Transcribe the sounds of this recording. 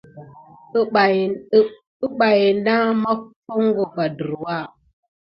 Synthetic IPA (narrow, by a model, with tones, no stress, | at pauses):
i˦ɓa˨ji˨nda˦ma˦fo˦ŋ˦ɡo˨va˨də˨ɾwa˦˨